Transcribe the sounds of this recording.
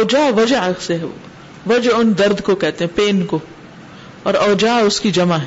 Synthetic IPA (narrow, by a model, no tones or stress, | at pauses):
ɔːd͡ʒaːʋɐd͡ʒseɦɛ | ʋɐd͡ʒʊnd̪ɐɾd̪ʱkokɛɦt̪eɦɛ̃peːnko | ɔːɾɔːd͡ʒaːʊskid͡ʒɐmaɦɛ